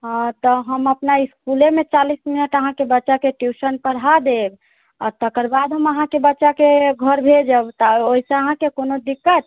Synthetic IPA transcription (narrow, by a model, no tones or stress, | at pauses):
ɦt̪əɦəməpnaiskulemet͡ʃalisminəʈəɦãkebətːʃakeʈjusənpəɽ̤ad̪eb | aɾt̪əkəɾbad̪ʱɦəməɦãkebətːʃakeɡʱəɾbʱed͡ʒəbt̪aoɦisə̃əɦãkekonod̪ikːət̪̚